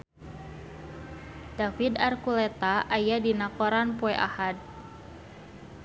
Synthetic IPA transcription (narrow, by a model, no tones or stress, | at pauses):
dafidarkulɛt̪aʔajadinakɔɾanpɔɛʔa̰had̪̚